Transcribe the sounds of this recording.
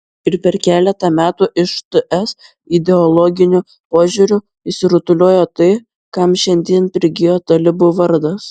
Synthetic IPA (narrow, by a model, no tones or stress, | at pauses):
ɪɾpʲɛɾkʲæːlʲɛt̪ɐmʲæːt̪uːʔɪʃt̪ɨʔɛs | ɪd̪ʲɛɔlˠɔɡʲɪnʲʊ | poːʒʲuɾʲʊ | ɪʃsʲɪɾʊt̪ʊlʲoːjoːt̪ɐɪ | kɐmʃʲɛnʲd̪ʲiɛnpʲɾʲɪɡʲɪjoːt̪ɐlʲɪbʊʋɐɾd̪ɐs